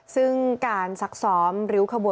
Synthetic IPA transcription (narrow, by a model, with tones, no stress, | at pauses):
sɯ˥˩ŋkaː˧nsa˩k̚sɔː˩˦mɾɯː˩˦˥kʰa˧bu˨˩